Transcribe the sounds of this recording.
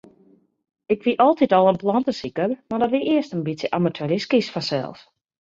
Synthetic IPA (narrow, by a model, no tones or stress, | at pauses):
ɪkʋiʔɔlˠtitɔlˠənplɔntəsikərmadɔtʋiʔɪəstənbitsjəʔamatʰuəɾiskisfɔnsɛ̰lˠs